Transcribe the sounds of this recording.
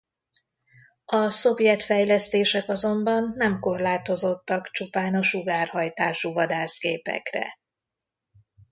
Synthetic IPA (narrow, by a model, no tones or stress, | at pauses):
ɒso̞vjɛt̪fɛjlɛst̪eːʃɛkɒzo̞mbɒnːɛmko̞rlaːt̪o̞zo̞t̪ːɒkt͡ʃupaːnɒʃuɡaːrhɒjt̪aːʃuvɒd̪aːsɡeːpɛ̰krɛ̰